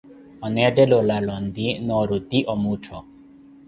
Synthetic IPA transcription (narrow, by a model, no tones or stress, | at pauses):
ɔnɛaɖɛlɔlalɔnd̪inɔɾod̪iʔɔmutʰɔ